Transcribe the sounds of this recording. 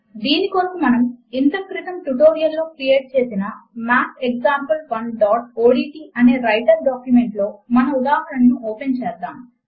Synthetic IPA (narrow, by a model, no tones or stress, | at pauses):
d̪iːnikoːnɐmmːɐnɐmint̪ɐkɾit̪ɐmʈuʈo̞ːɾijɐlːo̞ːkɾije̞ːʈ̚t͡ʃe̞ːsinɐmaːpeɡd͡ʒaːmpɐlpɐnɖaːʈoːɽiːʈiːʔɐne̞ːɾɐjʈɐɾɖaːkjumeɳʈlo̞ːmɐnɐud̪aːɦɐɾɐnɐnuʔɔːpent͡ʃɛːd̪aːm